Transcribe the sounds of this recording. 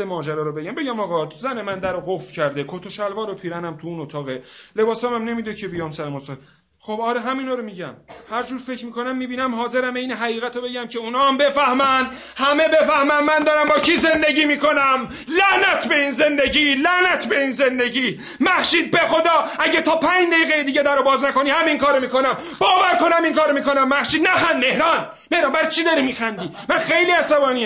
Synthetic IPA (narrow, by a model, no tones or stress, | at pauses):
emɒːd͡ʒæɾɒːɾobe̞ɟæmbe̞ɟæmɒːɣɒzænemænd̪æɾoɣofɾcʰæɾd̪ekʰot̪ʰoʃælvɒːɾopʰiːɾænæmt̪ʰuunot̪ʰɒːɣele̞bɒːsɒmæmne̞miːd̪ecʰe̞bijɒːmsæɾemɔsɒ | xobɒːɾeɦæminɒːɾomiːɟæmhæɾd͡ʒuːɾfecʰmiːkʰonæmːiːbiːnæmhɒːze̞ɾæmeinɦæɣiːɣæt̪ʰobe̞ɟæmcʰe̞unɒːmbe̞fæhmæn | hæme̞be̞fæhmænmænd̪ɒːɾæmbɒːcʰiːze̞nd̪e̞ɟiːmiːko̞næm | læʔnæt̪ʰbe̞iːnze̞nd̪e̞ɟiːlæʔnæt̪ʰbe̞inze̞nd̪e̞ɟiː | mæhʃiːd̪̚bexod̪ɒːæɟæt̪ʰɒːpʰæːɲd͡ʒd̪eiːɣejed̪iːɟed̪æɾobɒːznæko̞niːhæmiŋkʰɒːɾomiːko̞næm | b̥ɒːvæɾko̞næmiŋkʰɒːɾomiːko̞næmːæhʃiːd̪næxænme̞hɾɒːn | me̞hɾɑːnbæɾit͡ʃʰid̪ɒːɾimiːxænd̪iːmænxe̞jliːæsæbɒːniː